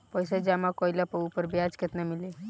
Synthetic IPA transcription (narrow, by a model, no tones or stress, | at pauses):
pɔjsad͡ʒamakɔilapəupəɾbjad͡ʒket̪namile